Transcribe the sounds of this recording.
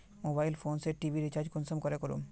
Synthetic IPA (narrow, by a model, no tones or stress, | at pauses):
mobajlfʰonseɾʈibʱiɾit͡ɕaɾd͡ʑkunsomkɔɾekoɾṵm